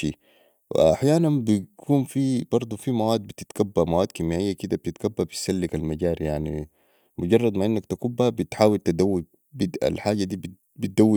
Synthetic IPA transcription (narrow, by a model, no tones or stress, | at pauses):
iː | w̰ʔa̰ħjaːnanbikʰuːnfibɑɾˤd̪ˤufimawaːd̪̚bit̪it̪kabːamawaːd̪̚kimaːʔijːakid̪ab̚t̪it̪kabːabisalːikalmaɟaːɾijaʕnḭ | mʊɟɑrˤːɑd̪maʕʔinːakt̪akubːabit̪ħaːwilt̪ad̪awːi | bid̪ʔa̰lħaːɟad̪iːb | bit̪̚d̪awːi